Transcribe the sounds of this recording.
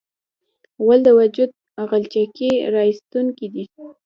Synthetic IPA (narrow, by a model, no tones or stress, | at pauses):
wald̪əwad͡ʒud̪̚ | aɣalt͡ʃakeɾɑist̪uŋkid̪i